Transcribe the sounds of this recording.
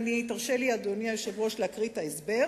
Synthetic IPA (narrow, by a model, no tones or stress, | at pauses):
nitaʁʃeliad̪oniajoʃevʁo̞ʃlakʁitaesbe̞